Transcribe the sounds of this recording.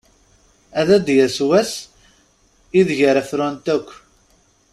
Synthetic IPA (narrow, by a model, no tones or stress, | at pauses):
æðæd̪jæswæs | iðʝəɾæθɾænt̪ækʷː